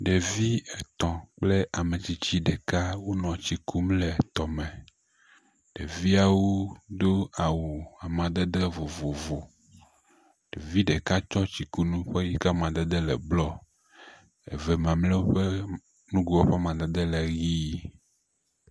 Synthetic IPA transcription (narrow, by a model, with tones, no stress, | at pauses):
ɖe˨vi˦ɛ˨t̪ɔ̃˨k͡ple˦ʔa˨mẽ˨t͡ɕi˨t͡ɕi˦ɖe˨ka˦wo˦nɔ̃˨t͡ɕi˨kʰu˦mlɛ˨t̪ɔ˨mɛ̃˨ | ɖ̥e˨vi˦a˨wo˦d̪o˦a˨wu˨a˨mã˨d̪e˦d̪e˦vo˨vo˨vo˨ | ɖ̥e˨vi˦ɖe˨ka˦t͡ʃɔ˦t͡ɕi˨ku˦nũ˦ɸe˦ji˦ka˦mã˨d̪e˦d̪e˦lɛ̰˨blɔ˦ | ḛ˨vɛ˨mã˨mlɛ˦wo˦ɸe˦ | nũ˦ɡu˨wo˦ɸe˦mã˨d̪e˦d̪e˦lɛ˨ɣi˦